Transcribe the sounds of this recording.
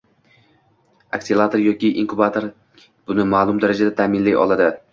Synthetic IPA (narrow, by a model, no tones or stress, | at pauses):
a̰ksilˠat̪ʰoɾjɒkʲɪʔiŋkʊbat̪ʰoɾ | b̥ʊnɪmaːlˠʊmd̪aɾad͡ʒad̪at̪ʰamɪnlajɒ̰lˠad̪ɪ